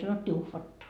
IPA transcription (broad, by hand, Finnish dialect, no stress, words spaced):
sɑnotːiː uhʋɑtːɑ